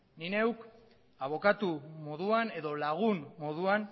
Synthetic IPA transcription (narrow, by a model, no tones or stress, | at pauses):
nine̞wk | aβo̞kat̪umo̞ðuane̞ðo̞laɣ̞unmo̞ðuan